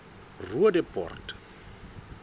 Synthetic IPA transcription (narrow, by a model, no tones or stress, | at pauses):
ruadɛpʼɔ̰rtʼḁ